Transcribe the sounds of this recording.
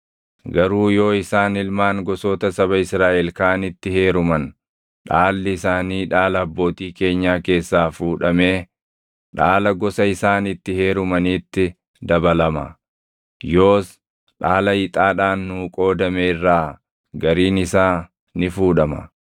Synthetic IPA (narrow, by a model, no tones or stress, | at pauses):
ɡɐɾuːjo̞ːɪsaːnɪlmaːŋɡɔsoːt̪ɐsɐβɐɪsɾaːʔɛlkaːnɪt̪ːɪhe̞ːɾʊmɐn | ᶑaːlːɪɪsaːniːᶑaːlɐːbːo̞ːt̪iːke̞ːɲːaːke̞ːsːaːfuːᶑɐme̞ː | ᶑaːlɐɡɔsɐɪsaːnɪt̪ːɪhe̞ːɾʊmɐniːt̪ːɪ | d̪ɐbɐlɐmɐ̰ | jo̞ːs | ᶑaːlɐɪt̪ʼaːᶑaːnːuːkʼo̞ːd̪ɐmeːɪrːaː | ɡɐɾiːnɪsaː | nɪfuːᶑɐmɐ̰